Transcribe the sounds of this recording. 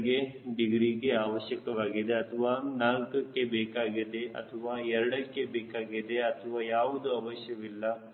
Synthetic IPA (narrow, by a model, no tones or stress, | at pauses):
ɡebiɡɾiɡeaːʋɐʃjɐkɐʋaːɡid̪eɐt̪ʰɐʋaːnaːlkɐkːebɛːkaːɡid̪e̞ɐ̰t̪ʰɐʋaːɛɾɐɽɐkːebɛːkaːɡid̪e̞ɐt̪ʰɐʋaːjaːʋud̪uɐʋɐʃjɐʋilːɐ